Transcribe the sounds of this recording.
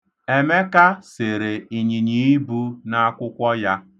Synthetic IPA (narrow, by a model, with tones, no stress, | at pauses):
e˨me˦ka˦se˨ɾe˨i˨ɲi˨ɲi˨i˦bu˦na˦a˦kʷʊ˦kʷɔ˦ja˦